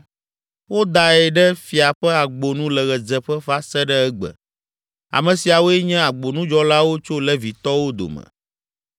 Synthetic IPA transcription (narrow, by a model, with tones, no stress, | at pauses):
wo˦d̪a˨ɛ˨ɖɛ˦fi˨a˨ɸɛ˦a˨ɡ͡bo˨nũ˦lɛ˨ɣɛ˨d͡zɛ˦ɸɛ˦va˦sɛ˦ɖɛ˦ɛ˦ɡ͡bɛ̰˨ | a̰˨mɛ̃˨si˨a˨wo˦ɛ˦ɲɛ̃˦a˨ɡ͡bo˨nũ˦d͡ʒɔ˦la˦wo˦t͡ʃo˦lɛ˦vi˨t̪ɔ˦wo˦d̪o̰˨mɛ̰̃˨